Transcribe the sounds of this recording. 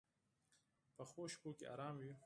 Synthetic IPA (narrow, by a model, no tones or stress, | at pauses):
pəxoːʃpoːkḛa̰ːɾɑːmwi